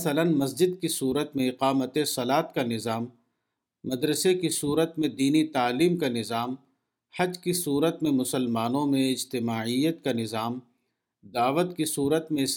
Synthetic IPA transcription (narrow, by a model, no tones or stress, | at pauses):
slənmɐs̬d͡ʒɪd̪̚kisuːɾət̪mẽɪqaːmət̪esɐlaːt̪kanɪzaːmː | ɐd̪ɾəsekisuːɾət̪mẽd̪iːnit̪aːliːmkanɪzaːm | hɐd͡ʒkisuːɾət̪mẽmʊsəlmaːnõmẽɪd͡ʒt̪ɪmaːijət̪kanɪzaːm | d̪aːʋət̪kisuːɾət̪mẽs